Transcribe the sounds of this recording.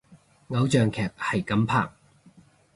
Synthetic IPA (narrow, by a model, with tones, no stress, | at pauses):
ŋɐ˨˧˥wt͡ʃœː˨ŋkʰɛː˨˩p̚hɐ˨jkɐ˨˥mpʰa̰ː˨k̚